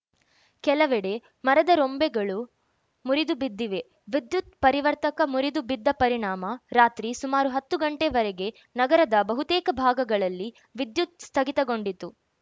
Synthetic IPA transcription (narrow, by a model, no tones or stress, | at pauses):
kɛlɐʋɛɽe̞ | mɐɾɐd̪ɐɾombɛɡɐɭu | muɾid̪ubid̪ːiʋe̞ | ʋid̪jut̪̚pɐɾiʋɐɾt̪ɐkɐmuɾid̪ubid̪ːɐpɐɾiɳaːmɐɾaːt̪ɾisumaːɾuɦɐt̪ːuɡɐɳʈeʋɐɾɛɡe̞ | nɐɡɐɾɐd̪ɐbɐɦut̪ɛːkɐbʱaːɡɐɡɐɭɐlːi | ʋid̪jut̪̚st̪ʰɐɡit̪ɐɡo̞ɳɖit̪u